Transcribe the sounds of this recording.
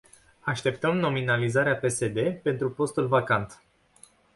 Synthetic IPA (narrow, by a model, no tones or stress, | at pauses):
aʃt̪e̞p̚t̪əmno̞minalizaɾeape̞se̞d̪e̞pe̞nt̪ɾupo̞st̪ulvakant̪